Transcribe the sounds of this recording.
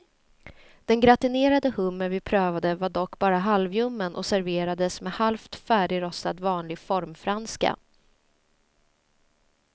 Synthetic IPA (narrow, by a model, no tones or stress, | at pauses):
d̪̥ɛnɡɾat̪ɪneːɾad̪əhɵmːənvɪpʰɾøːvad̪əvaɖɔkːbɑːɾaɦalvjɵmːənʔɔ̰sæɾveːɾad̪əsmɛhalft̪fæːɖɪɾɔsad̪vɑːnlɪɡfɔɾmfɾanska̰